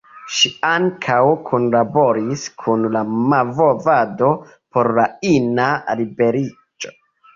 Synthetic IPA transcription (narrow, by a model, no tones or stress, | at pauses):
ʃiaŋkʰawkʰonlabo̞ɾiskʰunlamavovado | po̞ɾlainalibe̞ɾi | d͡ʒo̥